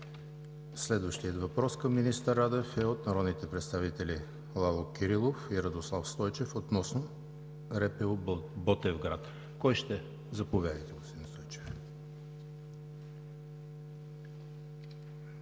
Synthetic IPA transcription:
slɛd̪vəʃt̪ijət̪vɐpɾɔskəmːinist̪əɾad̪ɛfɛot̪nɐɾɔd̪nit̪ɛpɾɛt̪st̪avit̪ɛlʲi | lˠalˠokʲiɾilˠofiɾəd̪oslˠafst̪ɔjt͡ʃɛfot̪nɔsno | ɾɛpɛobɔt̪ɛvɡɾat̪ | kɔjʃt̪ɛ | zɐpovʲjad̪əjt̪ɛɡost̪inst̪ɔjt͡ʃɛ̥f

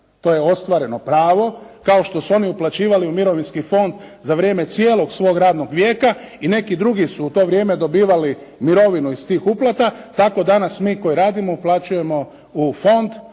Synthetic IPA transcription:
t̪o̞ːjeo̞st̪ʋaɾe̞no̞pɾaːʋo̞kao̞ʃt̪o̞suo̞niuplˠat͡ɕiːʋaliumiɾo̞ʋinskifo̞nd̪zaʋɾje̞ːme̞t̪sjeːlo̞ɡsʋo̞ːɡɾaːd̪no̞ɡʋjeːkaine̞kid̪ɾuɡisuut̪o̞ːʋɾje̞ːme̞d̪o̞biːʋali | miɾo̞ʋinuist̪iːxuplˠat̪at̪ako̞d̪anasmiːko̞jiɾaːd̪imo̞uplˠat͡ʃuje̞mo̞ | ufo̞nd̪

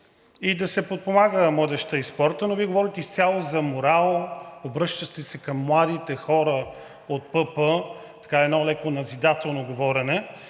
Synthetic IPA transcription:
id̪ɐsɛpot̪̚pomaɡəmɤd̪ɛʃt̪əispɔɾt̪ənoviɛɡovɔɾit̪ɛist̪ʲjalˠozɐmoɾalˠobɾɤʃt̪əʃt̪ɛsɛkəmːlˠad̪it̪ɛxɔɾə | ot̪̚pɤpə | t̪ɐ̥kaɛd̪nɔlɛkonɐzid̪at̪ɛlˠnoɡovɔɾɛnɛ

